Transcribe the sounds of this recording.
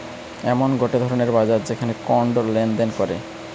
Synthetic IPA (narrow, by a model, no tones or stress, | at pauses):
ɛmonɡoʈed̪ʱɔɾoneɾbad͡ʑaɾd͡ʑekʰanekɔɳɖlend̪enkɔɾe